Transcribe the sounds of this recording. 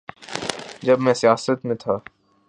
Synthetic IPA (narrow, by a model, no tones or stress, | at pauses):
d͡ʒɐbmɛ̃sjaːsɾət̪mẽt̪ʰa